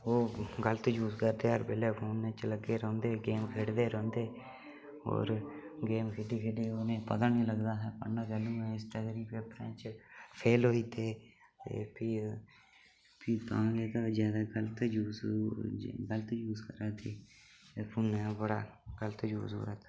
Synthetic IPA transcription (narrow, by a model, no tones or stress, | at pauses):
oːɡələt̪d͡ʒuːskəɾd̪eːɦəɾbeleːpʰoːnɛːt͡ʃələɡeːɾɔ̃ːnd̪eːɡeːmkʰeːɽd̪eːɾɔ̃ːnd̪eː | o̰ːɾɡeːmkʰeːɖiːkʰeːɖiːonẽːpət̪aːnĩːləɡd̪aːɦɛːpəakɛːlũːɛ̃ːɪsʈəɡɾiːpeːpɾɛ̰̃ːt͡ʃpʰeːlɦoːiːt̪ʰeː | t̪ḛːpiː | piːt̪ãːleːt̪aːzjaːd̪aːɡəlt̪d͡ʒuːs | ɡələt̪ːjuːskəɾaːt̪eː | pʰoːnɛːbəɽa̰ːɡəlt̪ːjṵːsṵːət̪